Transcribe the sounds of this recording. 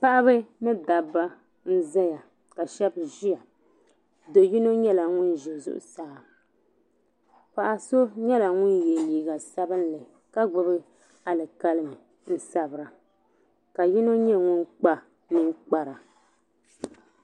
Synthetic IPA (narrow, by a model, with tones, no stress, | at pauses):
pa˦ʔa˦βɨ˦mɨ˦da˨ba˦ | n̩˦zɛ˦ja˨ | ka˨ʃɛ˦bʒi˦ja˨ | do˨ji˦no˦ɲɛ˦la˨ŋʊ˦nʒɛ˨zʊ̰˦ʔʊ̰˨sa˦˨a˨ | pa˨ʔa˨so˦ɲɛ˦la˨ŋʊ˦nje˨liː˨ɡa˨sa˦bɨ˦nlɨ˨ | ka˦ɡ͡bʊ˨bɨ˦ | a˨lɨ˨ka˦lɨ˦mɨ˨ | n̩˦sa˨bɨ˨ɾa˨ | ka˨ji˦no˦ɲɛ˦ŋʊ˦nk͡pa˦ | mɨ˦ŋk͡pa˨ɾa˨